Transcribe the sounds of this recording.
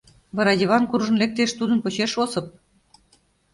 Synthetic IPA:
βɑɾɑd̪ʲiβɑnkurʒə̆nlek̚t̪eʃt̪ud̪ənpot͡ɕeʃosɤ̆p̚

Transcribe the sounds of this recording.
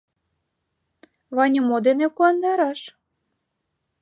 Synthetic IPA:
βɑnʲəmod̪enekuɑnd̪ɑɾɑʃ

